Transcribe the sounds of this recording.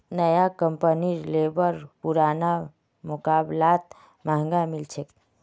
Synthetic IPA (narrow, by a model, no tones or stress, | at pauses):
nəjakəmpənilebəɾpuɾana | mʊkaːblaːt̪ | maŋɡamilt͡ʃʰek